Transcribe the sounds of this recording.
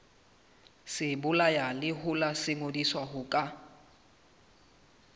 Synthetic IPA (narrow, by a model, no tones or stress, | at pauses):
sɪbʊlajalɪɦʊlasɪŋodiswaɦʊkʼa